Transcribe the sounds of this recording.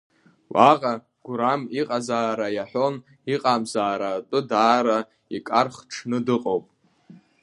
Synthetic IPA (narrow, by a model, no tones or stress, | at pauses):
wʔaqʼa | ɡ̥ʷɾamiqʼazaːɾajaħʷo̞n | iqʼamzaːɾatʼɨdaːɾa | ikʼarχʈ͡ʂʰnɨdɨqʼowpʼ